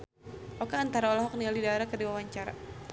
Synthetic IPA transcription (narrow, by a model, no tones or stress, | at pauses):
ʔɔkaːnt̪aɾaolaɦɔk̚nialdidaeɾakərdiwawaɲt͡ʃaɾa̰